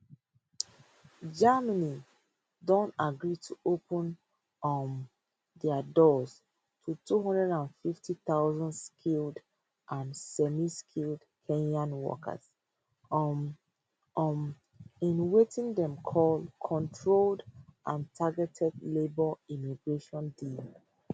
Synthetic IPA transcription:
d͡ʒaməni | dõntaɡɹitʰuʔopʰə̃n | m | dɛdɔz̥ | tʰutʰuɦɔ̃ndɹɛɾãnfiftʰiθaʊzɔ̃ndskʰild | ʔãnsɛmiskʰild | kʰẽnãnwɔ̰kʰə̰z̥ | m | ʔm | ĩnwetĩŋdɛ̃mkʰɔlkʰɔ̃ntʰɹoldʔãntʰaɡɛtʰɛdlebɔimiɡɹeʃɔ̃ndil

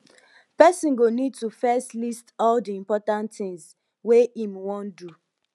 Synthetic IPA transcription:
pɛsĩnɡonid̚tufɛstlistɔldiĩmpɔtãntθĩŋs | weĩmwɔ̃ndu

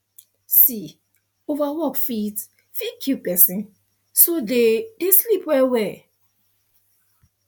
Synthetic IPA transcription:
si | ovawɔkfit | fikʰupɛsĩn | sodedeslipwɛwɛ

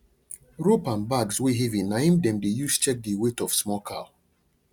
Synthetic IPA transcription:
ɹupãnbaɡsweɦɛvĩnːaĩmdɛ̃mdejust͡ʃɛk̚diwetɔfsmɔkʰa̰l

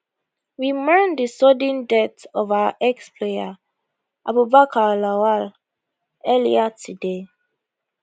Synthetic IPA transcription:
wimɛ̃ndəsɔdĩndɛtɔvawa̰ʔɛkspʰleja | ʔa̰bubakʰalawal | ɛlḭatʰude

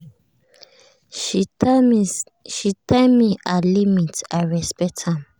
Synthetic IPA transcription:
ʃitamiʔalimitaɹɛspɛk̚tʰãm

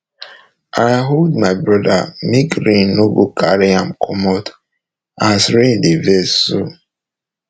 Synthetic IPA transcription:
ʔajɦoldmaɪbɹɔda̰mekɾĩnnoɡokʰaɾiãmkʰɔmɔt | asɾĩndivɛso

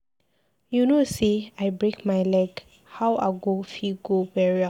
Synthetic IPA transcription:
junoseajbɹekmajlɛɡ | hawa̰ɡofiɡowɛɹia

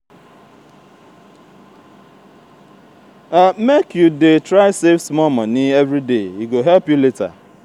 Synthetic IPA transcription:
amekjudetɾaɪsefsmɔmɔniɛvɾideiɡoɦɛlpjuleta̰

